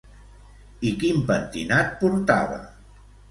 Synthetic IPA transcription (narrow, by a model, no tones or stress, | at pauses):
ikimpənt̪ḭnat̪̚puɾt̪a̰βə̰